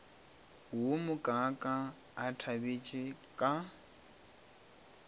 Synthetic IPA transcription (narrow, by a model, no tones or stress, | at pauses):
wʊmʊkʼakʼa | atʰabet͡ʃʼɪkʼa